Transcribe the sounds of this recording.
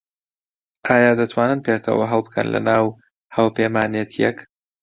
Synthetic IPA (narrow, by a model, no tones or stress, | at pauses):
ʔaːjaːd̪ɐt̪ʰwaːnɨnpekʰɐ̰wɐɦɐlˠbɨkʰɐ̰nlʔɐ̰naːw | haːwpeːmaːnet̪ʰijɛk